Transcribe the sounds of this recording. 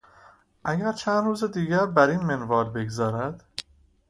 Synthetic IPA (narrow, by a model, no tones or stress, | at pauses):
ʔæɟæɾt͡ʃʰænd̪ɾuːzed̪iːɟæɾbæɾiːnmenvɒːlbe̞ɡzɒːɾæd̪̥